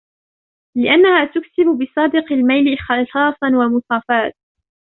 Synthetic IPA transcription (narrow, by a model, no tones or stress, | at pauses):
lɪʔanːahaːt̪ʊksɪbʊbɪsˤɑːd̪ɪqɪlmajlɪxɑsɑːsˤɑnwamʊsˤɑːfaːt̪̚